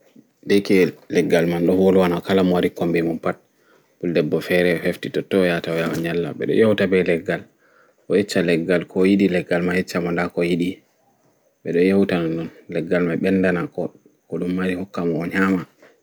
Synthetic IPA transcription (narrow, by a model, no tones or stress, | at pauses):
ndɛkɛlɛɡːalmanɗɔholuwanakalamɔwaɾikombɛmunpat̚ | b̥uldɛbːɔfɛɾɛfeftitɔtːɔjataɔjawaɲalːa̰ɓɛ̰ɗɔ̰jawtabɛlɛɡːal | ʔɔjɛt͡ʃːalɛɡːalkʰɔjiɗilɛɡːalmajɛt͡ʃːamɔndakɔjiɗi | ɓɛɗɔjawtanɔnɗɔnlɛɡːalmaɓɛndanakɔ | kɔɗumːaɾihɔkːamɔɲaːma